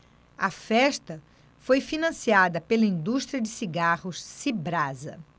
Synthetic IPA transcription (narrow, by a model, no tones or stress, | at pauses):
ɐfɛʃt̪ɐ | fojfinɐ̃siad̪ɐpelɐĩnd̪uʃt̪ɾiɐd͡ʒɪsiɡahʊssibɾazɐ̰